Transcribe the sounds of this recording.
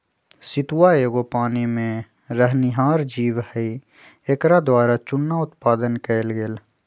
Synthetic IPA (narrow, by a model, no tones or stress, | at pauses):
sɪt̪waeːɡopaːnimẽ | ɾəɦnɪɦaːɾd͡ʒiːʋhəi | ekɾad̪waːɾat͡ʃʊnːaʊt̪paːd̪ənkəlɡel